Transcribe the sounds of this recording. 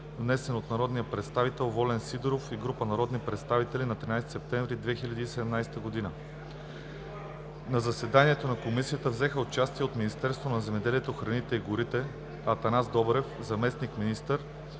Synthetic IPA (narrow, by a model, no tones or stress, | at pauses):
vnɛsɛnot̪nɐɾɔd̪nijəpɾɛt̪st̪avit̪ɛlˠvɔlɛnsid̪ɾofiɡɾupənɐɾɔd̪nipɾɛt̪st̪avit̪ɛlinɐt̪ɾinajst̪i̥sɛp̚t̪ɛɱvɾid̪vɛxilʲɐd̪iːsɛd̪ɛmnajsɛ̥t̪əɡod̪inə | nɐzɐsɛd̪aniɛt̪onɐkomisiət̪əvzɛxəot͡ʃast̪iɛot̪minist̪ɛɾst̪vonɐzɛmɛd̪ɛliɛt̪oxɾɐnit̪ɛiɡʊɾit̪ɛ | ɐt̪ɐnazd̪ɔbɾɛfzɐmɛsnikminist̪əɾ